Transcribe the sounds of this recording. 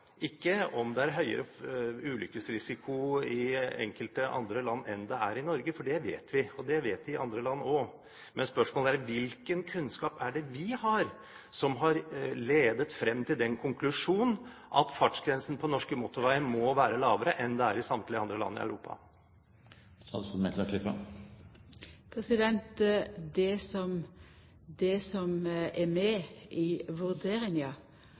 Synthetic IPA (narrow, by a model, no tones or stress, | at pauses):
ɪkːəɔmd̪ɛæɾɦœʏə̰ɾəʉːlʏkːəsɾɪsɪkʰʊɪɛ̰ŋkəlt̪əʔɑ̰nd̪ɾəlɑnːɛnd̪ɛæɾɪnɔɾɡəfɔɖɛʋḛːt̪ʰʋɪɔd̪ɛʋeːt̪ʋɪɪɑnd̪ɾəlɑnːɔ | mɛnspœʂmoːləæɾʋɪlkənkʰʉnːskɑːpæɖɛʋɪhɑɾ | sɔmɦɑɾleːd̪ət̪fɾɛmːt̪ʰɪld̪ɛnkʰʊŋklʉʂuːnn̩n̩ʔɑ̰t̪fɑʈʂɡɾɛnsn̩pʰɔnɔʂkəmɔt̪ːʊʋæɪənmɔʋæːɾəlɑːʋəɾəʔɛnd̪ɛæɾɪsɑmt̪ʰlɪɑnd̪ɾəlɑ̰nːəɪ̰œ̰ʉɾṵːpɑ̰ | ɑfɔmɛt̪lɑkʰlɪpə̰ | pʰɾɛsɪd̪ɛnt̪d̪ɛsɔm | d̪ɛsɔmɛmɛːɪʋʉʁd̪eːɾɪŋjɑ